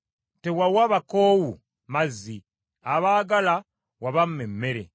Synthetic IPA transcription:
tewawaβakoːwu | mazi | aβaːɡala | waβam̩memːeɾḛ

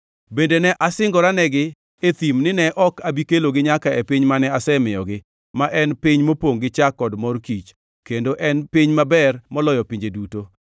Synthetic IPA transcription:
bendenɛʔasɪŋɡɔɾanɛɡɪ | et̪imnɪnɛʔɔkabikeloɡɪɲakaɛpiɲmanɛasɛmɪjɔ̰ɡɪ | maʔɛnpiɲmopoŋɡɪt͡ʃakːɔdmɔrkit͡ʃ | kendoʔɛnpiɲmabɛrmɔlɔjɔpiɲd͡ʒeduto

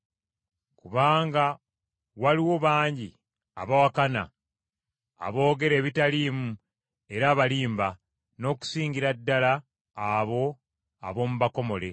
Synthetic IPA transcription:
kuβaːŋɡa | waliwo̞βaːɲɟi | a̰βawakana̰ | βo̞ːɡe̞ɾe̞ːβitaliːmu | e̞ɾaːβaliːmba | no̞ːku̥siːɲɟiɾadːalaː | βo̞ | a̰βo̞muβako̞mo̞le̞

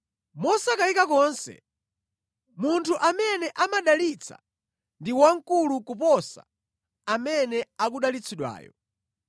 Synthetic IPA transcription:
mɔsakaikakɔːnsɛ̰ | muntʰuʔamɛnɛʔamaɗalit͡sʰa̰ | ndiwaŋ̩kulukupɔsa | amɛnɛak̬uɗalit͡sʰiɗwa̰ːjɔ̰

